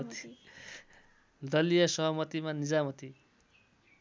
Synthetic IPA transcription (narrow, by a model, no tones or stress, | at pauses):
t̪i̥ | d̪ʌlijʌsʌɦʌmʌt̪imanid͡zamʌt̪i